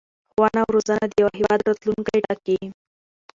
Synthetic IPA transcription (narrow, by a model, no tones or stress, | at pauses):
xʋanaʋɾod͡zanad̪eʋaɦiʋad̪ɾət̪luːnkaiʈakːi